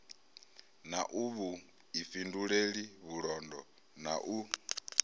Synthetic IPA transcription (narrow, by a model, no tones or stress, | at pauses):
naʔuβu | ifinduɺeɺiβuɺɔndɔ | na̰ʔu